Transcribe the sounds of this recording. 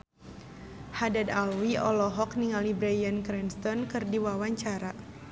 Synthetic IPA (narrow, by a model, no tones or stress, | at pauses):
hadadalwiɔlɔɦɔk̚niŋalibɾajankɾɛnst̪ɔnkɨrdiwawaɲt͡ʃaɾa